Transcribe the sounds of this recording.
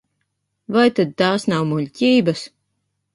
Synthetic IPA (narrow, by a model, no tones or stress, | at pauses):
vajt̪ad̪̚t̪aːsnawmulʲcʲiːbas